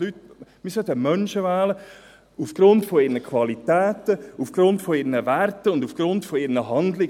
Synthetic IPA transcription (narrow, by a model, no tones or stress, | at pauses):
lytmisœtəmœnʃəvɛːlə | ufɡ̥ɾʊntfɔɪɾnəkʰʋɑlitɛːtəufɡ̥ɾʊntfɔɪɾnəvæɾtəʊndufɡ̥ɾʊntfɔɪɾnəɦɑndlɪ